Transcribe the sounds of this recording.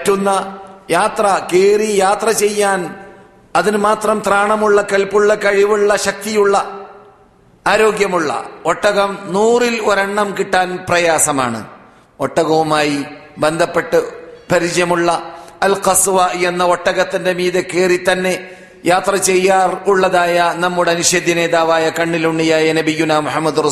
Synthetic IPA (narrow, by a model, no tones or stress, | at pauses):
tːunːɐjaːt̪rɐkeːrijaːt̪rɐt͡ɕe̞jːaːn | ɐðinɨmaːt̪rɐmt̪raːɳɐmuɭːɐkɐlpuɭːɐkɐɻiʋuɭːɐɕɐk̚t̪ijuɭːɐ | aːɾo̞ːɡjɐmuɭːɐ̰o̞ʈːɐɣɐmnuːriloɾɐɳːɐmkiʈːaːnprɐjaːsɐma̰ːɳɨ̰ | oʈːɐɣɐʋumaːji | be̞nd̪ʱɐpːe̞ʈːɨpɐɾit͡ɕɐjɐmuɭːɐɐlqɐsʋaenːɐo̞ʈːɐɣɐt̪ːinde̞miːðɐkːe̞ːrit̪ɐnːe̞ | jaːt̪rɐt͡ɕe̞jːaːruɭːɐðaːjɐnɐmːuɽeɐniɕeːd̪ʱːjɐne̞ːðaːʋaːjɐkɐɳːiluɳːijaːjɐnɐbijːunaːmuħɐmːɐd̪urɐ